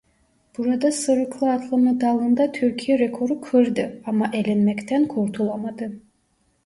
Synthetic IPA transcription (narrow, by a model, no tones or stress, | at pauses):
b̥uɾad̪asɯɾɯqʰlˠɯɑt̪ʰlˠɯmɯd̪ɑlˠɯnd̪at̪ʰyɾkʲʰijɛɾe̞kʰo̞ɾukʰøɾd̪ɯɑmɑʔelʲɛnmɛkt̪ʰænkʰoɾt̪ʰulˠamad̪ɯ